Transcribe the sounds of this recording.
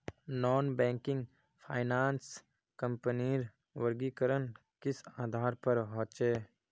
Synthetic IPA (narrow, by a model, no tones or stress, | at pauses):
nɔːnbɛ̃ːŋkɪ̃ŋɡ | pʰaːɪnaːns | kə̃mpəniːɾ | ʋəɾɡikəɾən | kɪsaːd̪ʱaːɾpəɾɦɔ̃ːt͡ʃeː